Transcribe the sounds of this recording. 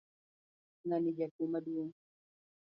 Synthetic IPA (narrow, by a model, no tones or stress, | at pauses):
nanid͡ʒakumadu